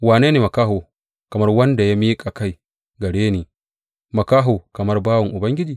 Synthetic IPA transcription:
waː˨neː˦neː˨mɐ˨kaː˦ɦo˨ | kɐ˨mɐ˦rwɐ˦nda˨ja˦miː˦kʼa˨ka˦j | ɡɐ˨ɽeː˦niː˨ | mɐ˨kaː˦ɦoː˨kɐ˨mɐ˦rbaː˦wɔ˨ŋʔʊ˨bɐ˦ŋɡʲɪ˦d͡ʒiː˨

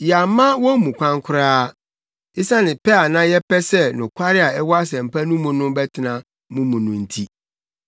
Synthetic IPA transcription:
ja˨mã˦wɔ̃˦mũ˨kʷʰã˦ŋkʰʊ˦ɾaː˦ | ɪ˦sã˦nɪ̃˨pʰɛ˦a˨nã˦jɛ˦pɛ˦sɛ˦nʊ̃˨kʰʷa˦ɾɪ˦a˨ɛ˦wɔ˦a˦s̬ɛ˨m̩˨pʰa˦nũ˦mũ˨nʊ̃˦bɛ˦tʰɪ˨nã˨ | mũ˦mũ˨nʊ̃˨n̩˦˨tʰi˦

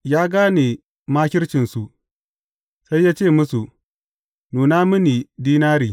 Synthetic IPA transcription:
jaː˦ɡaː˦ni˨ | maː˦kʲɪ˦rt͡ʃɪ˨nsu˨ | sa˦jːaː˦t͡ʃeː˦˨mʊ˦su˨ | nuː˨naː˦mʊ˦niː˨diː˦naː˦ɾiː˨

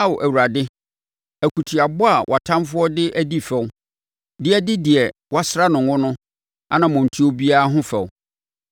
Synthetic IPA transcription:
a˦˨ʔæ˨wu˨ɾa˨dɪ˦ | æ˨kʰu˨tʰi˨a˨bʊ˦a˨wʔa˨tʰã˦mfʊ˦ɔ˦dɪ˦ʔæ˦di˦fɛ˨w | dɪ˦ɛ˦dɪ˦di˨ɛ˨wa˦sɾa˦nʊ̃˨ŋʊ̃˦nʊ̃˦ | a˦nã˨mʊ̃˨n̩˨tʰi˦o˦bi˦a˦a˦ɦʊ̃˦fɛ̰˨wʊ˨

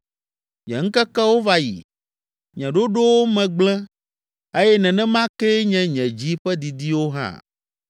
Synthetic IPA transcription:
ɲɛ̰̃˨ŋ̩˦kɛ˦kɛ˦wo˦va˦jḭ˨ | ɲɛ̃˨ɖo˦ɖo˦wo˦mɛ̃˨ɡ͡blɛ̃˦ | e˦jɛ˦nɛ̃˨nɛ̃˦mã˦ke˦ɲɛ̃˨ɲɛ̃˨d͡ʑi˦ɸɛ˦d̪i˨d̪i˦wo˦ɦã̰˦˨

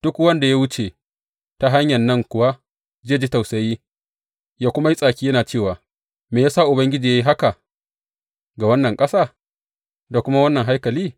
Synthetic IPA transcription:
d̥ʊ˦kwɐ˦nda˨ja˦wʊ˦t͡ʃe˨ | ta˨ɦa˦ɲjɐ˨nːɐ˦˨ŋkʷʊ˨wa˦ | zeː˦˨d͡ʒi˦ta˨wsɐ˨jiː˦ | jaː˦kʷʊ˦ma˦ji˦sʼaː˨kʲiː˦jɐ˦naː˨t͡ʃeː˦˨waː˨ | meː˨jaː˦saː˦ʔʊ˨bɐ˦ŋɡʲɪ˦d͡ʒiː˨ja˦ji˦ɦa˦ka˨ | ɡa˨wɐ˦nːɐ˨ŋkʼɐ˦saː˦˨ | da˨kʷʊ˦ma˦wɐ˦nːɐ˨ŋɦa˦jkɐ˨liː˦

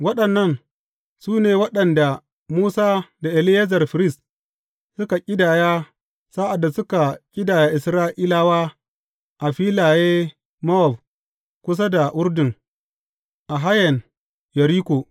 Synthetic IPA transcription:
wɐ˦ɗɐ˨nːɐ˦˨n | suː˦neː˨wɐ˦ɗɐ˨nda˨ | muː˦saː˦da˨ʔɪ˨lɪ˦jɐ˦zɐ˨rɸɪ˨ɾɪ˦s | sʊ˦ka˨kʲʼɪ˦daː˨jaː˦ | saː˦ʔa˨dːa˨sʊ˦ka˨kʲʼɪ˦daː˨ja˦ʔɪ˨sɾaː˦ʔi˦laː˦waː˦ | ʔa˨ɸiː˦laː˨jeː˦ | mɔ˦ɔ˨b | kʷʊ˦s̬a˦da˨ʔʊ˦rdɪ˨ŋ | ʔa˨ɦa˦jɐ˨n | jɐ˨ɾiː˦kʷoː˨

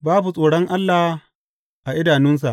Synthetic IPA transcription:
baː˦bu˨sʼoː˨ɽɔ˦ŋʔa˦lːa˨h | ʔa˨ʔɪ˦daː˨nɪ˦ns̬a˨ʔ

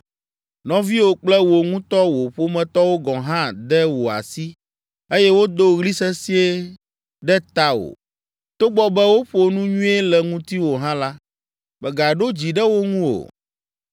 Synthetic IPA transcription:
nɔ̃˦vi˦wo˨k͡plɛ˦wo˨ŋũ˦t̪ɔ˦wo˨ɸo˦mɛ̃˨t̪ɔ˦wo˦ɡɔ̃˨ɦã˦d̪ɛ˦wo˨a̰˨si˦ | e˦jɛ˦wo˦d̪o˦ɣli˦sɛ˦si˦e˦ | ɖɛ˦t̪a˦wo̰˨ | t̪o˦ɡ͡bɔ˦bɛ˦wo˦ɸo˨nũ˦ɲũ˦e˦lɛ˨ŋũ˦t̪i˦wo˨ɦã˦la˦ | bɛ˨ɡa˨ɖo˦d͡ʑi˨ɖɛ˦wo˦ŋũ˦o̰˨

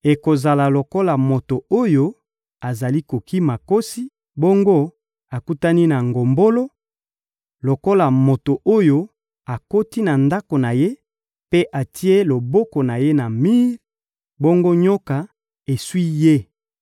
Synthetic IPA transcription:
e˨ko˨za˨la˨lo˨ko˦la˨mo˨to˨o˦jo˦ | a˨za˨li˦ko˨ki˦ma˨ko˦si˦ | bo˦ŋɡo˦ | a˨ku˦ta˦ni˦na˨ŋɡo˨mbo˦lo˦ | lo˨ko˦la˨mo˨to˨ʔo˦jo˦ | a˨ko˦ti˦na˨nda˦ko˨na˨je˦ | pe˦ʔa˨tʰi˦e˦lo˨bo˦ko˨na˨je˦na˨mi˦ʁ | bo˦ŋɡo˦ɲo˦ka˨ | e˨swi˦je˦

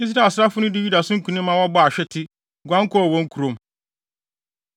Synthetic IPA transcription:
ĩ˦s̬ɪ˦nã˦˨sɾa˦fʊ˦nʊ̃˦dɪ˦ju˦da˨sʊ̃˦ŋ̩˦kʰũ˨nɪ̃˦mːã˦wɔ˦bɔ˦a˨ɕᶣɛ˦tʰɪ˦ | ɡʷã˦ŋ̩˦kʰɔ˦˨wɔ̃˦ŋ̩˦kʰu˨ɾõ˨m

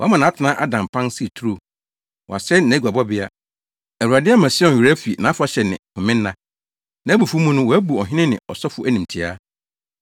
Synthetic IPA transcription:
wɔ˨˦mã˨nã˨˦tʰɪ˨nã˦ʔa˦dã˨m˨pʰã˦n˦si˦˨tʰu˦ɾo˨ | wɔ̰˨a˨sɛ˦nã˨˦ɡʷu˨a˨bɔ˦bɪ˦a˦ | æ˨u˨a˨dɪ˦a˦mã˨sɔ˨i˨ɾæ˦fi˨nã˨˦fa˦ɕɛ˨nɪ̰̃˨hʊ̃˨mɪ̃˦nː˦ã˦ | nã˨˦bu˨fu˦mũ˦nʊ̃˦wɔ˨æ˦bu˨ɔ˨ɦɪ̃˦nɪ̃˦nɪ̰̃˨ɔ̰˨sɔ˦fʊ˦ʔæ˦nĩ˨m˨tʰɪ˨a˦

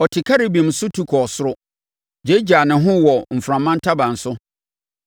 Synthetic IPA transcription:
ɔ˨tʰɪ˨kʰa˦ɾɪ˨bĩ˨m̩˨sʊ˦tʰu˦kʰɔ˨sʊ˦ɾʊ˦ | d͡ʑe˦d͡ʑaː˨nɪ̃˨ɦʊ̃˦wɔ˨m̩˨fɾã˨mːã˦n̩˦tʰa˦bã˨n̩˨sʊ˦

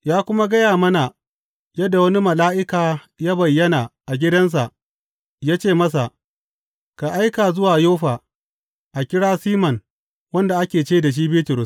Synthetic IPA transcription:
jaː˦kʷʊ˦ma˦ɡɐ˦jaː˨mɐ˦na˨ | jɐ˦dːa˨wɐ˦ni˦mɐ˨laː˦ʔɪ˦kaː˨ | jaː˦bɐ˨jːɐ˦naː˨ʔa˨ɡʲɪ˦dɐ˦ns̬a˨ʔ | jaː˦t͡ʃeː˦˨mɐ˦s̬a˨ʔ | ka˨ʔa˦jkaː˨zʊ˦waː˨joː˦ɸaː˨ | ʔa˨kʲɪ˦ɽaː˦siː˦mɐ˨n | wɐ˦nda˨ʔa˦kʲeː˨t͡ʃeː˦da˨ʃ̬iː˦be˦tʊ˨ɾʊ˦s

